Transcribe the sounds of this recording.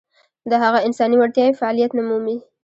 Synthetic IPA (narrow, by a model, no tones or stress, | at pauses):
d̪əɦaɣaɪnsɑniwaɽt̪jɑjofaɑlijat̪nʊmumi